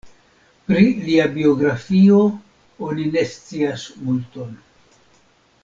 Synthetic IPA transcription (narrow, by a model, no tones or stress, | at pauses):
pɾiliabio̞ɡɾafio̞ | o̞nine̞st͡siasmulto̞n